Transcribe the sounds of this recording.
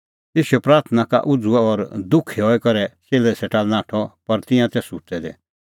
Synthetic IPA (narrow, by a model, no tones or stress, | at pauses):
t̪eːsiɛpɾaːɾt̪ʰnaka̰ʔʊd͡zʊɛɔɾd̪ʊkʰːeɦɔɛkɐɾɛt͡seːlɛsɛʈaːlnaːʈʰɔpɐɾt̪ɪ̃jãt̪ɛsʊtɛd̪ɛ̰